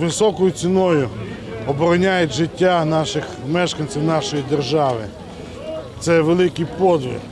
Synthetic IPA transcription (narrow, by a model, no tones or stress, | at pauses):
ʋɪsɔkɔjʊt͡sʲinɔjʊ | ɔbɔɾɔnʲajʊtʲʒɪtʲːanɑʃɪxmɛʃkɐnʲt͡sʲiwnɑʃɔjid̪erʒɑʋɪ̰ | t̪sɛʋelˠɪkɪjpɔd̪ʋʲḭr